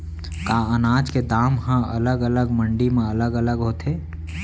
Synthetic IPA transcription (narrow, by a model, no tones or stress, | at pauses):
kaːənaːd͡ʒked̪aːmɦãə̰ləɡələɡmə̃ɳɖimẽələɡələɡɦoːt̪eː